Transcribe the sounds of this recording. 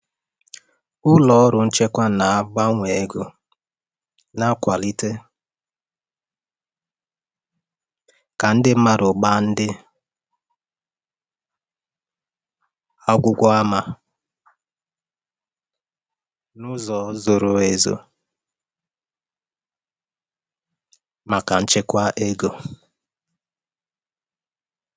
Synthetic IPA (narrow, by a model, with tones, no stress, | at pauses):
ʊ˦lɔ˨ɔ˦ɾʊ˨n̩˦t͡ʃe˦kʷa˦na˨a˦ɡ͡ba˦ŋʷe˨ɡuʊ˨ | na˦kʷa˨li˦te˦ | ka˨n̩˦dɪ˦ma˦ɾʊ˨ɡ͡ba˦n̩˦dɪ˦ | a˦ɡʷʊ˦kʷɔ˦a˦ma˨ | nʊ˦zɔː˨˦zo˨ɾo˦e˨zo̰˨ | ma˨ka˨n̩˦t͡ʃɪ˦kʷa˦ʔe˦ɡo˨